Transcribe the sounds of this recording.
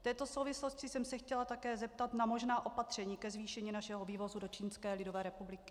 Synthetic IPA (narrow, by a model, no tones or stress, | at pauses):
ft̪ɛːt̪o̞so̞wvɪsloscɪsɛmsɛxcɛlat̪akɛːzɛp̚t̪at̪namo̞ʒnaːʔo̞pat̪r̝̥ɛɲiːkɛzviːʃɛɲiːnaʃɛɦoviːvo̞zudo̞t͡ʃiːnskɛːlɪdo̞vɛːɾɛpublɪkɪ̥